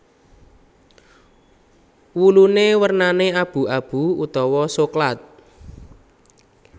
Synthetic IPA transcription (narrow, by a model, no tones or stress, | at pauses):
wulunewərnaneab̥ṳab̥ṳut̪ɔwɔsoklat̪̚